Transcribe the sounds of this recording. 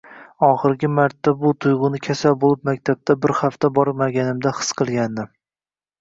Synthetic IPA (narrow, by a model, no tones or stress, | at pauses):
ɒχɨɾɡʲɪmaɾt̪ːabʊt̪ʰʊjʁʊnɪkʲʰasalbolɪpmak̚ʲt̪ʰab̚t̪ʰabɪɾhaft̪ʰabɒɾmaɡʲanɪmd̪aχɨ̥sqʰɨlˠɡʲand̪ɪ